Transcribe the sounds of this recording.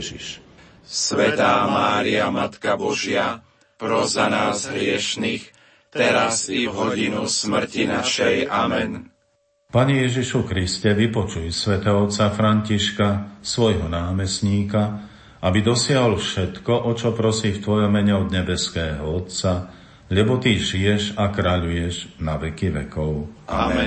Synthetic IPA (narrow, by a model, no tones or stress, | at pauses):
iʃ | sʋɛt̪aːmaːɾiamat̪kabɔʒɪa | pɾɔzanaːzɦɾɪɛʃnix | t̪ɛɾazivɦɔɟinusmr̩cinaʃɛjʔa̰mɛ̰n | paɲɛjɛʒiʃukɾiscɛʋipɔt͡ʃujɛsʋɛt̪ɛːɦɔɔt̪t͡safɾaɲciʃkasʋɔjɦɔnaːmɛsɲiːka | abid̪ɔsɪaɦɔlfʃɛt̪kɔʔɔt͡ʃɔpɾɔsiːft̪ʋɔjɔmːɛɲɛɔd̪ɲɛbɛskɛːɦɔɔt̪t͡sa | ʎɛbɔt̪iʒijɛʒakɾaʎujɛʒnaʋɛkiʋɛ̰kɔʊa̰ɛ